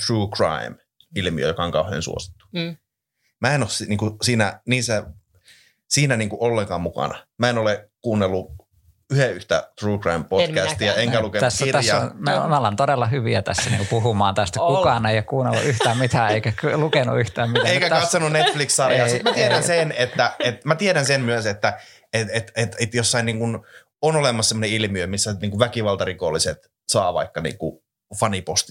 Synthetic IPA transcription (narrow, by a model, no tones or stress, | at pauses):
t̪ruːkrɑ̰im | ilmiø̰jokɑoŋkɑuhˑḛːnsṵo̰si̥t̪ːu̥ | mæenossiniːŋkusiːnæniːsːæ | siːnæniːŋkuʔolːeŋkɑːmmukɑ̰nɑmæenolekuːnːelːu | yheyht̪æ̰t̪ruːkrɑimpokæst̪iɑeŋkæluket̪æsːæt̪æsnmæmæolent̪odelːɑhyʋiæt̪æ̰sːæniːŋkupuhumɑːnt̪æst̪ækukɑːneijækuːnelːṵʔyht̪æːmmit̪æːeikæklukenṵyht̪æːmmit̪æeeikæt̪ɑt̪sonunet̪flikssɑrjɑsit̪mæt̪ieɾænsenet̪ːæet̪mæt̪ieɾænsenmyøset̪ːæ | et̪et̪et̪et̪josːɑiniːŋkun | onolemːˑɑssemoneilmiømisːæniːŋkuʋʋækiʋɑlt̪ɑrikolːiset̪ | sɑːʋɑ̰ikːɑnḭːŋkṵ | fɑnipost̪i